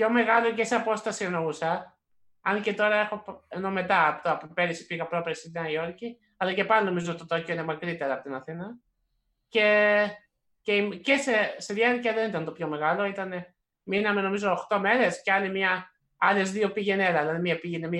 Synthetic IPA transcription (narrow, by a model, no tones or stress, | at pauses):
pço̞me̞ɣɐlo̞ce̞seɐpo̞st̪ɐsienousɐ | ɐnce̞t̪o̞ɾɐe̞xo̞peno̞me̞t̪ɐːpot̪oɐpope̞ɾisi̥piɣɐpɾopɾesit̪nɐio̞ɾci | ɐlɐce̞pɐlino̞mizoot̪t̪ot̪ocoinemɐkɾit̪e̞ɾɐpot̪inɐθinɐ | ce̞ | ceimceseseðjɐɾcɐðe̞nit̪ɐnt̪o̞pço̞me̞ɣɐlo̞it̪ɐne | minɐme̞no̞mizo̞ːxt̪o̞me̞ɾe̞sceɐnemɲɐ | ɐle̞zðio̞piʝenelɐðelɐðimiɐpiʝenemiɐ